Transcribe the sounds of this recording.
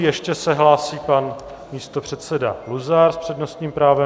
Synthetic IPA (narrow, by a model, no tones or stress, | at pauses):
jɛʃcɛsɛɦlaːsiːpan | miːst̪o̞pr̝̥ɛt̪sɛda̰luzaɾspr̝̥ɛdno̞st̪ɲiːmpɾaːvɛ